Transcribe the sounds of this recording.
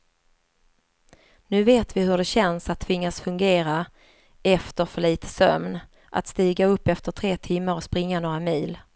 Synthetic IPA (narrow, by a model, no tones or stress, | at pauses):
nʉ̟ːveːt̪vɪhɵɖɛɕɛnsat̪ʰːvɪŋːasfɵŋɡeːɾa | ɛft̪əɾfœɭiːt̪ʰə̥sœ̰mn | ʔa̰t̪st̪iːɡaɵpːɛft̪əʈʰɾeːt̪ʰɪmːaɾɔspɾɪŋːanoːɾamiːl